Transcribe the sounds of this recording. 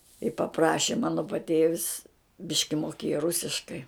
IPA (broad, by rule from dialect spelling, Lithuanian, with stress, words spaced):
ɪ pɐˈprɑːʃʲɪ ˈmɑːnoː pɐˈtʲeːʋʲɪs ˈbʲɪʃʲkʲɪ moːˈkʲeːjɛ ˈrʊsʲɪʃkɐɪ